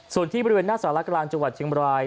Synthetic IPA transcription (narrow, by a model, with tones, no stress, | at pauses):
su˨˩ənt̪ʰiː˥˩bɔ˧ɾweː˧nːaː˥˩saː˩˦la˦˥klaː˧ŋt͡ɕa˧ŋwa˨˩t̪̚t͡ɕʰi˧mbɾaː˧j